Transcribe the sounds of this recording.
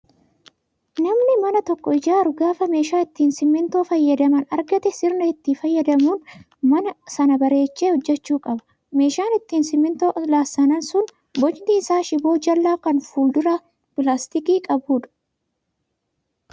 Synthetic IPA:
nɐmnɪmɐnɐt̪ɔkːɔɪd͡ʒaːɾʊɡaːfɐme̞ːʃaːɪt̪ːiːnsɪmːɪnt̪o̞ːfɐjːɐd̪ɐmɐnɐɾɡɐt̪ɛsɪɾnɐɪt̪ːiːfɐjːɐd̪ɐmuːn | mɐnɐsɐnɐbɐɾe̞ːt͡ʃːeːhɔd͡ʒːɛt͡ʃːuːkʼɐbɐ̥ | me̞ːʃaːnɪt̪ːiːnsɪmːɪnt̪o̞ːʔlaːsːɐnɐnsʊn | bɔt͡ʃt̪iːsaːʃɪbo̞ːd͡ʒɐlːaːkɐnfuːld̪ʊɾaː | pɪlaːst̪ɪkiːkʼɐbuːᶑɐ̥

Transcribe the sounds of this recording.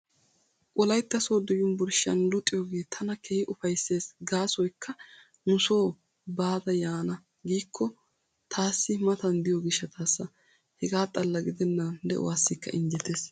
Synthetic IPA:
kʼʊlɐjt̪ːɐsoːd̪ʊjʊnbʊɾʃɐ̰nlʊt̪ʼːɪjoɡe̞ːt̪ʰɐnɐkʰeːhɪʔʊfɐjsːe̞ːsɡaːsɔjkʰːɐ | nʊso̞ː | baːd̪ɐjaːnɐ | ɡiːkʰːɔ | t̪ʰaːsːɪmɐt̪ɐnd̪ɪjɔɡɪʃːɐt̪ʰaːsːɐ | hɛɡaːt̪ʼɐlːɐɡɪd̪ɛnːɐnd̪ɛʔɔ̰waːsːɪkːɐ̰ʔɪnd͡ʒɛt̪e̞ːs

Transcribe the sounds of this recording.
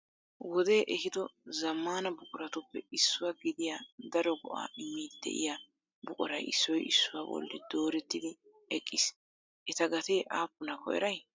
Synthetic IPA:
wɔd̪e̞ːʔɛhɪd̪ɔzɐmːaːnɐbʊkʼʊɾɐt̪ʊpːɛɪsːʊwaɡɪd̪ɪjad̪ɐɾɔɡɔʔa̰ːɪmːiːd̪d̪ɛ̰ʔɪ̰ja | bʊkʼʊɾɐjɪsːɔjɪ̰sːʊwaːbɔ̰lːɪ̰d̪o̞ːɾɛt̪ːɪd̪ɪ | ɛkʼːɪs | ʔɛt̪ɐɡɐt̪e̞ːʔaːpːʊnɐkɔ̰ʔɛ̰ɾɐj

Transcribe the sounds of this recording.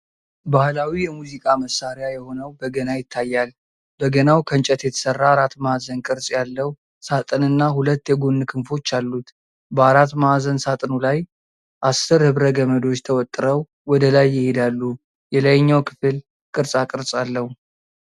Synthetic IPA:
bahlawijɛmuzikʼaməsːaɾjajɛho̞nəwbəɡənajɪt̪ʰːajːal | b̥əɡənawkʰənt͡ʃʼət̪jɛt̪ʰə̥sərːaːɾat̪ːmaazənkʼɨɾsʼjalːəhu | sat̪ʼɨnɨnːahulət̪ːjɛɡonːɨkʰɨnfo̞t͡ʃːalːut̪ | bəaɾat̪ːmaazənsat̪ʼɨnulaj | ʔasɨɾhɨβɾəɡəməd̪o̞t͡ʃːt̪ʰəwɔt̪ʼːɨɾəw | wɔd̪əlajːɪhed̪alːu | jɛləjɲːawkʰɨ̥fɨl | kʼɨɾsʼakʼɨɾsʼalːəhu

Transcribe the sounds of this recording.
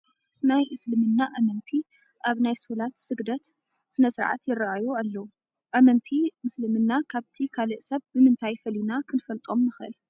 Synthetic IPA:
najʔɨslɨmɨnːaʔɐmɐnt̪ʰi | ʔaβnajsulat̪sɨɡd̪ɐt̪ | sɨnɐsɨɾʕa̰t̪jɪraʔajualːɐwu | ʔɐmɐnt̪ʰimɨslɨmɨnːakʰaβt̪ʰikʰalɨʔsɐβːɨmɨnt̪ʰajfɐlinakʰɨnfɐlt̪ʼo̞mːɨxʔɨ̰l

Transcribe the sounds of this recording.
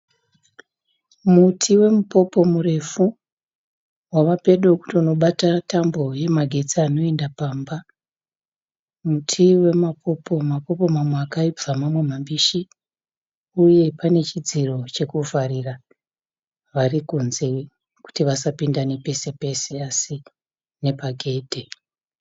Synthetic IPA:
mutʰiwe̞mupo̞po̞mure̞fu | waʋape̞ɗoku̥tiono̞ɓatatambo̞je̞maɡʱe̞t͡siano̞e̞ndapaːmba | mutʰiwe̞mapʰo̞po̞mapo̞po̞mamweakaib͡vamamwe̞mambiʃi | uje̞pane̞t͡ʃid͡ziro̞t͡ʃe̞kufaɾira | ʋarikunze̞ | ku̥tiʋasapindane̞pe̞se̞pe̞se̞asi | ne̞paɡʱe̞ːdʱe

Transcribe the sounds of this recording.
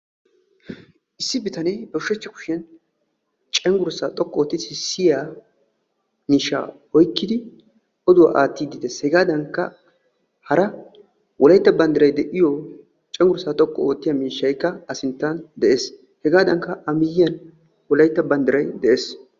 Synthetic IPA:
ʔɪsːɪbɪt̪ɐnɛjbɔʃɛt͡ʃːɛkʊ̥ʃɛn | t͡ʃʼɛŋɡʊɾsaːt̪ʼɔkʼːɔoːt̪ːɪɪsːɪjaː | miːʃːa̰ː | ɔjkːɪd̪ɪ | ʔɔd̪ʊwa̰ːʔaːt̪ːiːd̪ɪd̪eshɛɡaːd̪ɐŋkːɐ | hɐɾɐ | wʔɔlɐjt̪ːɐbɐnd̪ɪɾɐjd̪ɛʔɪjɔ | t͡ʃʼɛŋɡʊɾsaːt̪ʼɔkʼːɔoːt̪ːɪjaːmiːʃːɐjkːɐɐsɪnt̪ːɐnd̪ɛʔeːs | hɛɡaːd̪ɐŋkːɐʔɐmɪjɪjɐn | wɔlɐjt̪ːɐbɐnd̪ɪɾɐjd̪ɛʔeːs

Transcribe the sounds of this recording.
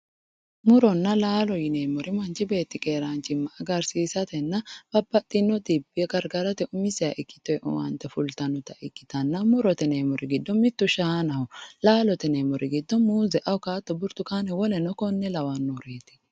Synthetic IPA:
mʊɾɔnːɐlaːlɔjɪnemɔɾɪmɐnt͡ʃɪbe̞ːt̪ːɪkʼeːɾaːnt͡ʃɪmːɐʔɐɡɐɾsiːsɐt̪ɛnːɐb̥ɐbːɐt̪ʼːɪnːɔt̪ibɪɛɡɐɾɡɐɾɐt̪ɛʔʊmɪsɛɐʔɪkːɪ̥t̪ːɔɛɔ̰wɐ̰nt̪ːɛfʊlt̪ɐnʊt̪ɐʔɪkːɪ̥t̪ɐnːɐmʊɾɔt̪ɛneːmɔɾʔɪɡɪd̪ːɔmɪt̪ːʊʃaːnɐhʊlaːlɔt̪ɛnemɔɾʔɪɡɪd̪ːɔmuːzɛʔɐwkaːt̪ːɔbʊɾt̪ʊkaːnɛwɔlɛnɔkɔnːɛlɐwɐnːɔɾeːt̪ɪ̥

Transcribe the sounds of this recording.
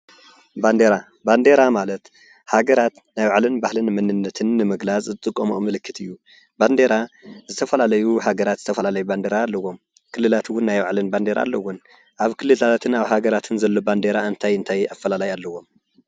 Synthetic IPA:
band̪eɾa | band̪eɾamalɐt̪ | haɡɐɾat̪ | najwaʕlɨnbahlɨnmɨnɨnːɐt̪ʰɨnːɨmɨɡlat͡sʼzɨt̪ʼɨkʼːɐmumɨlɨkʰːɨt̪ʰɨjːu | band̪e̞ɾazɨt̪ʰɐfɐlalɐjuhaɡɐɾat̪z̥ɨt̪ʰɐfɐlalɐjuband̪eɾalːɐwo̞m | kʰɨlːɨlat̪ʰwʊnːajwaʕlɨnband̪eɾa̰lːɐwʊn | ʔaβkʰɨlːɨlat̪ʰat̪ʰɨnaβhaɡɐɾat̪ʰɨnzɐlːo̞band̪eɾaɨnt̪ʰajɨnt̪ʰajafːɐlalajalːɐwo̞m

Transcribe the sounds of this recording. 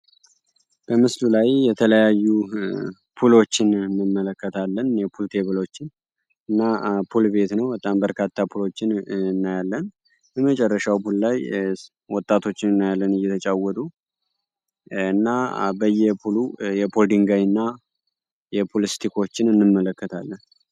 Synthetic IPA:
b̥əmɨslulajjɛt̪ʰələjajːu | pʰulo̞t͡ʃːɪnɨnːɨmːələkːət̪ʰalːənjɛpʰult̪ʰe̞βɨlo̞t͡ʃːɪn | ɨnːapʰulbe̞t̪nəwbət̪ʼambəɾkʰat̪ʰːapʰulo̞t͡ʃːɪnɨnːajalːən | bəmət͡ʃʼɛrːəʃawpʰullaj | wɔt̪ʼːat̪ʰo̞t͡ʃːɪnɨnːajalːənɨjːɛt̪ʰət͡ʃʼawɔt̪ʼu | ɨnːabəjːɛpʰulujɛpʰod̪iŋɡajɨnːa | jɛpʰolist̪ʰikʰo̞t͡ʃːɪnɨnːɨmːələkːət̪ʰalːən

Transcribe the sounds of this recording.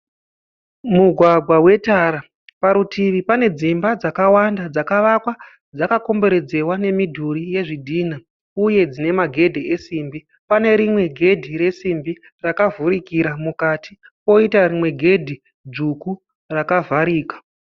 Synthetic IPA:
muɡʱwaɡʱwawe̞taɾa | paɾutiʋipane̞d͡zimbad͡zakawandad͡zakaʋakwa | d͡zakako̞mbe̞ɾe̞d͡ze̞wane̞midʱurije̞ʐidʱiːna | uje̞d͡zine̞maɡʱe̞dʱeʔesimbi | pane̞ɾimwe̞ɡʱe̞dʱiɾe̞simbi | rakavuɾikiɾamukati | po̞itarimwe̞ɡʱe̞dʱi | d͡zuku | rakavaɾiːkḁ

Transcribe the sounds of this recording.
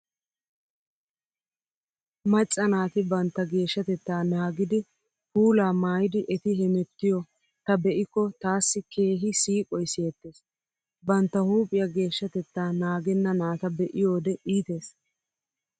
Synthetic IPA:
mɐt͡ʃʼːɐnaːt̪ɪbɐnt̪ːɐɡe̞ːʃːɐt̪ɛt̪ːaːnaːɡɪd̪ɪ | puːlaːmaːjɪd̪ɪʔɛt̪ɪɦɛmɛt̪ːɪjɔ | t̪ɐbɛʔɪkːɔt̪aːsːɪke̞ːɦɪsiːkʼɔjseːt̪ːeːs | bɐnt̪ːɐhuːpʼɪjɐɡe̞ːʃːɐt̪ɛt̪ːaːnaːɡɛnːɐnaːt̪ɐbɛʔɪjo̞ːd̪ɛʔiːt̪e̞ːs

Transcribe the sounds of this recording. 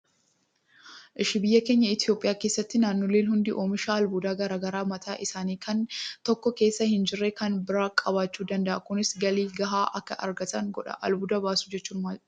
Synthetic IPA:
ʔɪʃɪbɪjːɐke̞ːɲːɐɪt̪jo̞ːpʼːɪjaːkeːsːɐt̪ːɪnaːnːoleːnhʊnd̪ɪʔoːmɪʃaːɐlbud̪aːɡɐɾaːɡɐɾaːmɐt̪ʰaːʔɪsaːniːkʰɐnt̪ɔkːɔke̞ːsːɐhɪnd͡ʒɪrːeːkɐnbɪɾaːkʼɐβaːt͡ʃːuːd̪ɐnd̪ɐʔɐkʊnɪsɡɐliːɡɐɦaːʔɐkːɐ̰ʔɐ̰ɾɡɐt̪ɐŋɡɔᶑɐ̰ʔɐ̰lbud̪ɐbaːsu̥d͡ʒɛt͡ʃːuːnmɐ

